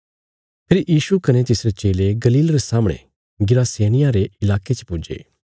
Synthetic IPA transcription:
pʰɪɾjiːʃukɐnet̪ɪsɾet͡ʃeːleɡɐliːlɾesaːməɽ̃ḛ̃ | ɡɪɾaːseːñɪjãɾeɪlaːket͡ʃpʊd͡ʒḛː

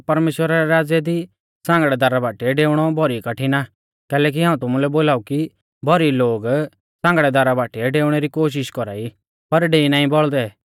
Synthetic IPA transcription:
pɐɾmeːʃwəɾaɾɛɾaːd͡zjɛd̪i | sãːŋɡɽɛd̪aɾabaːʈiɛɖeːʊɽ̃ɔbʱɔɾikɐʈʰina | kɛːlɛːk̬iɦãːũt̪ʊmulɛboːlaːuki | bʱɔɾiloːɡ | sãːŋɡɽɛd̪aɾabaːʈiɛɖeːʊɽ̃eɾikoːʃ̬ɪʃkɔɾa̰ːi | pɐɾɖeːinaːĩbɔɭd̪ɛ

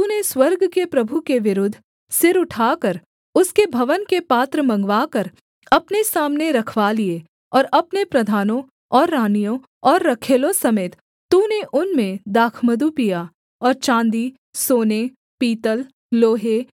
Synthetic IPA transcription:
t̪uːneswɐɾɡkepɾɐbʱukeʋɪɾʊd̪ʱː | sɪɾʊʈʰaːkəɾ | ʊskebʱɐʋənkepaːt̪ɾəmɐ̃ŋɡʋaːkəɾ | ɐpnesaːmneɾɐkʰʋalie | ɔːɾɐpnepɾɐd̪ʱaːnõ | ɔːɾːaːnijõ | ɔːɾːɐkʰeːlõsɐmeːt̪ | t̪ːuneʔʊnmẽd̪aːkʰməd̪upija | ɔːɾt͡ʃãːnd̪i | soːne | piːt̪əl | loːɦe

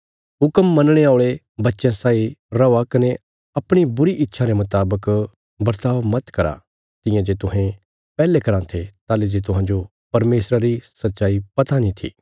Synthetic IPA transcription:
ɦʊkəmːɐnɽ̃eaːʊɭe | bɐtːʃẽsaːiɾɐakɐne | ɐpɽ̃ibʊɾiʔɪtːʃʰaɾemɐt̪aːbək | bɐɾt̪aːʋmɐt̪kɐɾa̰ | t̪ɪ̃jãd͡ʒet̪ʊɦẽ | pɛːlekɐɾãt̪ʰet̪aːled͡ʒet̪̬ʊɦãːd͡ʒo | pɐɾmeːsɾaɾisɐtːʃaːipɐt̪anĩt̪ʰḭː

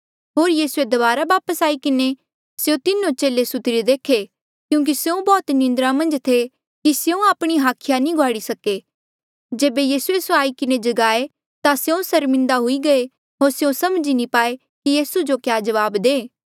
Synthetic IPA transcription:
ɦoːɾjiːsued̪ɐbaːɾabaːpəsaːikɪne | sjõt̪ɪnːõt͡ʃeːlesʊt̪ɪɾed̪eːkʰe | kjũːk̬isjõbɔːt̪nɪ̃nd̪ɾãmɐ̃nd͡ʒt̪ʰe | kisjõaːpɽ̃iɦaːkʰɪjanĩɡʱwaːɽisɐke | d͡ʒeːbejiːsuesoaːikɪned͡ʒɐɡaːe | t̪asjõsɐɾmɪ̃nd̪aɦʊiɡɐe | ɦoːɾsjõsɐmd͡ʒinĩpaːe | kijiːsud͡ʒokjaːd͡ʒɐʋaːbd̪eː

